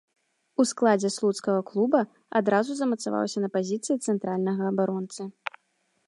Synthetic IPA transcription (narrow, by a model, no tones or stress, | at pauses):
usklˠad͡zʲɛslˠut̪skɐɣɐklˠubɐ | a̰d̪ɾazuzɐmɐt̪sava̰wsʲɐnɐpazʲit̪sɨjit̪sɛnt̪ɾalʲnɐɣɐːbaɾɔnt̪sɨ